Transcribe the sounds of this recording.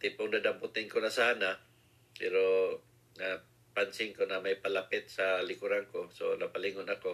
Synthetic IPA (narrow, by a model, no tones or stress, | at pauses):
t̪ɪpʊŋd̪ad̪ampʊt̪ɪŋkonasaːna | pɛɾo | na | pansɪŋkonamajpalapɪt̪̚salɪkʊɾaŋkoso̰napalɪŋʊnako